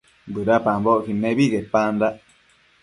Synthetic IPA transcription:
bɨɾapamboʔkinẽβiɣepãnd̪aʔ

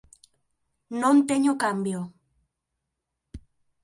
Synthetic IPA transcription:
nõnt̪eɲokambjo

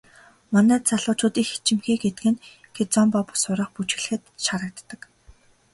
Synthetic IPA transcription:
manæːt͡saɮʊːt͡ɕʊːt̪iːxi̥t͡ɕɪ̆mxeːɡet̪ɘ̆kɘ̆n | kʰet͡sɔmpɔpʊ̥sʊɾə̆χput͡ɕ̆ɮɘ̆xɘ̆t̪ʃaɾə̆k̚t̪ːə̆k

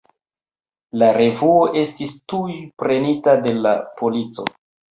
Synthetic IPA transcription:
laɾe̞vuo̞ʔe̞stistujpɾe̞nitade̞la̰po̞lit͡so̞̰

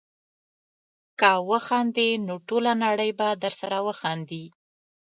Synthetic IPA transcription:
kawəxɑnd̪enoʈolanaɽəjbad̪əɾsaɾawəxɑnd̪i

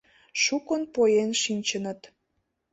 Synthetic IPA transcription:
ʃukənpojenʃinʲt͡ɕənət̪

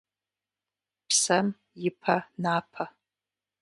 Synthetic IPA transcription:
pʰsam | jipʰanapʰa

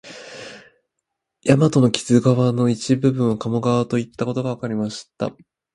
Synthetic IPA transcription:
jamat̪o̞no̞kʲi̥z̥ɨɡaβano̞it͡ɕibɯ̟bɯ̟̃ɰ̃βakamoɡaβat̪o̞it̪ːako̞t̪o̞ɡaβakaɾʲimaɕi̥t̪a̰

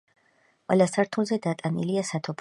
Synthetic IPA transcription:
qʼwɛ̰lasaɾt̪ʰulˠzɛd̪at̪ʼanḭliasat̪ʰɔpʰ

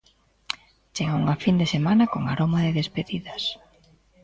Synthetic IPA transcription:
t͡ʃeɣauŋafind̪esemanakoŋaɾomaðeðespeðiðɐs

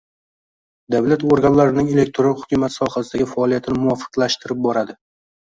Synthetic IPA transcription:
d̪avlat̪oɾɡanlaɾɪnɪŋe̞le̞k̚ʲt̪ʰɾohʊkʲʰʊmat̪sɒhasɪd̪aɡʲɪfaɒlˠijat̪ʰɪnɪmʊɒfɨ̥qlaʃt̪ɪɾɪp̚bɒɾad̪ɪ

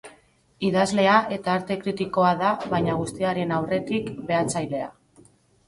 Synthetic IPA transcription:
iðazle̞aʔe̞t̪aːɾt̪e̞kɾit̪iko̞aðaβajɲaɣ̞ust̪iaɾe̞nawre̞t̪ikbe̞at͡sajle̞a̰

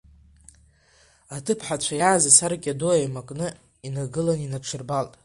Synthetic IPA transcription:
atʰɨpʰħat͡ɕʷʰajaːzasaɾkʲʼadoajmakʼnɨ | inaɡɨlaninaʈ͡ʂʰɨrbaltʼ

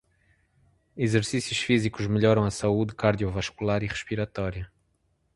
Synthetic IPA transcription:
izɨɾsisjuʃfizikuʒmɨʎɔɾɐ̃w̃ɐsaud̪ɨkaɾðiuvɐʃkulˠaɾiʁɨʃpiɾɐt̪ɔɾiɐ

